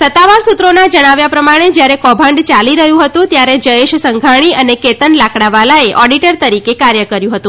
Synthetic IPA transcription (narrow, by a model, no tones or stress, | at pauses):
sət̪ːaʋaɾsut̪ɾonad͡ʒəɽ̃aʋjapɾəmaɽ̃ed͡ʒjaɾekɔbʱãɳɖt͡ʃaliɾəɦjũɦət̪ũt̪jaɾed͡ʒəeʃsəŋɡʱaɳ̃iəneket̪ənlakɽaʋalaeʔɔɖiʈəɾt̪əɾikekaɾjəkəɾjũɦət̪ũ